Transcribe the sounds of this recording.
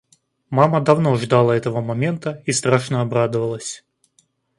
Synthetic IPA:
maməd̪ɐvnoʐd̪alˠəɛt̪əvəmɐmʲe̞nt̪əist̪ɾaʂnəɐbɾad̪əvəlˠəsʲ

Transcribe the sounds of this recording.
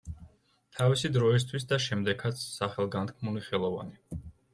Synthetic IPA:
t̪ʰavisid̪ɾɔis̬t̪ʰwis̬d̪aʃɛmd̪ɛkʰat̪ssaχɛlˠɡant̪kʰmuliχɛlˠɔva̰ni

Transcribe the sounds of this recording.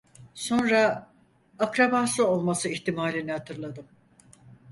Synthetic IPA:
so̞nɾaː | kɾabaːsɯo̞lˠmasɯiçt̪imaːlʲinɛhat̪ʰɯɾlˠad̪ɯm

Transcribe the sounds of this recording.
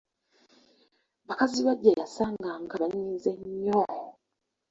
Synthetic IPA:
βakaziβaɟːajasaːŋɡaŋɡaβaɲiːzeɲːo

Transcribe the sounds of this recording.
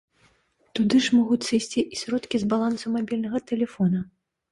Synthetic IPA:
t̪ud̪ɨʂmɔɣut͡sʲsɨjsʲt͡sʲiʔisʲɾɔt̪kʲizbalˠansumabʲilʲnɐɣɐt̪ɛlʲɛfɔnɐ

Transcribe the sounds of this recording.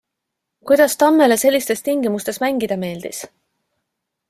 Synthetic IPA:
kujd̪̥ɑst̪ɑmːe̞lese̞lʲːist̪e̞st̪iŋɡimust̪esmæŋɡ̥id̪̥ɑme̞ːld̪̥is

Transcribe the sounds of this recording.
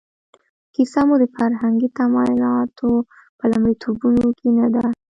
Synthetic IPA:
kisamod̪əfaɾɦaŋɡit̪amɑjʊlɑt̪ʰo | pəlamɽit̪ʰubunokinad̪a

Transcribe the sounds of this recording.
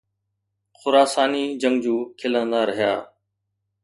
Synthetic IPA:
xʊɾaːsaːniːd͡ʒəŋɡd͡ʒuːkʰɪlənd̪aːɾəɦɪjaː

